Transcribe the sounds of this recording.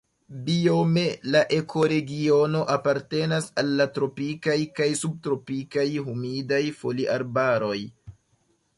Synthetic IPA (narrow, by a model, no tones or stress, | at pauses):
bio̞me̞laʔe̞kʰo̞ɾe̞ɡio̞no̞ʔapaɾte̞nasalːatɾo̞pikajkajsub̚tɾo̞pikajɦumidajfo̞liʔaɾbaɾo̞j